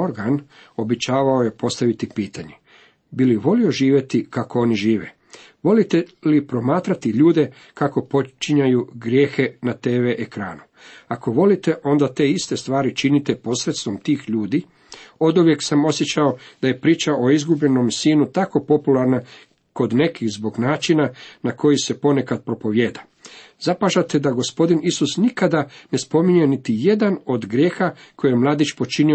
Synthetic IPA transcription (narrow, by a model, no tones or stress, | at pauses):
oɾɡan | o̞bet͡ɕaːʋao̞je̞po̞st̪aʋit̪ipiːt̪aɲe | biliʋo̞lio̞ʒiːʋje̞t̪ikako̞o̞niʒiːʋḛ | ʋo̞lit̪elipɾo̞maːt̪ɾat̪iʎuːd̪e̞ | kako̞po̞t͡ʃiɲajuɡɾje̞ːxe̞nat̪e̞ːʋeʔekɾa̰ːnu | ako̞ʋo̞lit̪e̞ʔo̞nd̪at̪e̞ːist̪e̞st̪ʋaːɾit͡ʃinit̪e̞po̞sɾe̞t̪st̪ʋo̞mt̪iːxʎuːd̪i | o̞d̪uʋje̞ksamo̞sje̞t͡ɕao̞d̪̥aje̞pɾiːt͡ʃaʔo̞izɡubʎe̞no̞msiːnut̪ako̞po̞pulaɾna | ko̞d̪ne̞kixzbo̞ɡnaːt͡ʃinanako̞jise̞po̞ne̞kad̪̚pɾo̞po̞ʋjeːd̪a | zapaʒat̪e̞d̪aɡo̞spo̞d̪inisusnikad̪ane̞spo̞miɲujenit̪ije̞d̪ano̞d̪ɡɾje̞ːxakʰojemlˠaːd̪it͡ʃpo̞t͡ʃinio